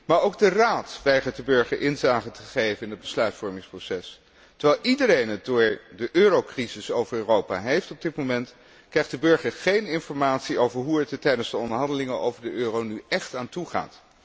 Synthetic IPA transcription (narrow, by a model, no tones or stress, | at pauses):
maːɹoʊwɡ̚dəraːtʋɛjχət̚dəbøɹχəɹʔɪnzaːχəntəχejvənɪnəd̚bəslœɥtfɔɹmɪŋsprowsɛs | təɹʋɛlˠʔidəɾejnət̚dʊːɹdəʔøːrowkrizɪsowvəɹøːrowpaɦejftɔb̚dɪtmomɛnt | krɛjχd̥əbɵɹχəɹχejnɪnfɔɹmaːtsiowvəɹɦuɛttɛjdənzdəɔndəɹɦɑndəlɪŋəno̰wvəɹdəʔøːrownyɛχtaːntuχa̰ːt